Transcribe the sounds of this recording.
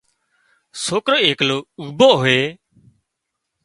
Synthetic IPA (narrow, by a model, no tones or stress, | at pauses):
soːkɾoːeːkloːuːboːɦoeː